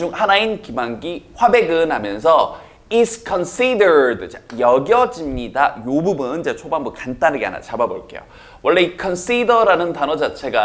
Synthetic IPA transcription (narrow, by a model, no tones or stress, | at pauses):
d͡ʑuŋhanainkimaŋɡiɸwabe̞ɡɯnɦamjʌnsʰʌ | iskʰʌnsʰidɯdt͡ɕajʌɡjʌd͡ʑimɲidajobubɯnt͡ɕet͡ɕʰobanbukant͈anɯɡea̰na̰t͡ɕababo̰ɭk͈e̞̰jo̰ | wʔʌɭːe̞ikʰʌns͈ʰidʌɾanɯntanʌd͡ʑat͡ɕʰe̞ɡa